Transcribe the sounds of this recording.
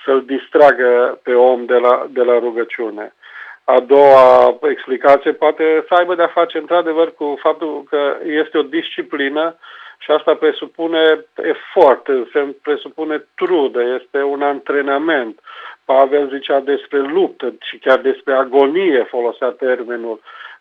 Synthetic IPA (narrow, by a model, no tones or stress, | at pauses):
səld̪ist̪ɾaɡəpe̞o̞md̪elad̪e̞laɾuɡət͡ʃiune̞ | ad̪o̞wae̞ksplikat̪sije̞poat̪e̞səajbəd̪eafat͡ʃe̞ɨnt̪ɾad̪e̞vərkufap̚t̪ulkəje̞st̪eo̞d̪ist͡ʃiplinəʃiast̪apɾe̞supune̞ḛfort̪ɨnsenspɾe̞supune̞t̪ɾud̪əje̞st̪e̞unant̪ɾe̞name̞nt̪pave̞lzit͡ʃad̪e̞spɾe̞lup̚t̪əʃikʲard̪e̞spɾe̞aɡo̞nije̞fo̞lo̞seat̪e̞rminul